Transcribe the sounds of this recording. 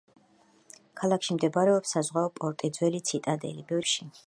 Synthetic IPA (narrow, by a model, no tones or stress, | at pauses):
kʰalˠakʰʃimd̪ɛbaɾɛɔpsazʁwaɔpʼɔɾt̪ʼid̪zwɛlit̪sʰit̪ʼad̪ɛ̰libɛvɾʃi